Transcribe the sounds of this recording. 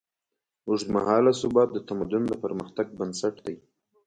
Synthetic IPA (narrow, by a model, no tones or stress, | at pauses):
uʐd̪ma̰hɑlasʊbɑt̪̚d̪ət̪amad̪ʊnd̪əpəɾməxt̪aɡ̚bənsaʈd̪aj